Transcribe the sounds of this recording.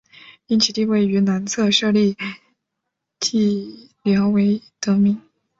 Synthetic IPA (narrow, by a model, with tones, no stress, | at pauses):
i˥nt͡ɕʰi˨˩t̪i˥˧we˥˩ɪy˧˥na˧˥nt͡sʰɤ˥˧ʂɤ˥˧li˥˩ | t̪ʰi˥˩ | ljɑ˧˥ʊwe˧˥ɪt̪ɤ˧˥mi˧˥ŋ